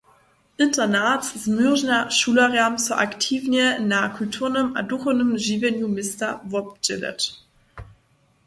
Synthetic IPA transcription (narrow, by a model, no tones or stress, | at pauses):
ʔɪntɐnatssmyʁʒnaʃuːlɐʁamt͡suɐʔa̰ktʰiːvnjənaːkʰʊltʰuːɐnəma̰duχonəmʒivɛnjumɪstɐvɔp̚d͡ʒɪ̰lɛ̰t